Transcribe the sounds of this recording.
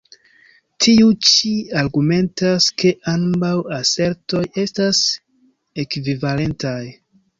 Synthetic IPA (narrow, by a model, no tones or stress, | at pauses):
tʰiut͡ʃiaɾɡume̞ntaskʰe̞ʔanbawase̞ɾto̞je̞stas | e̞kvivale̞ntaj